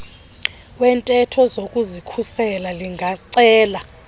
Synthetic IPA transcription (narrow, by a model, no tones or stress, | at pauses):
wɛntʼɛtʰɔzokʼuzikʰusɛlaliŋɡʱaǀɛːla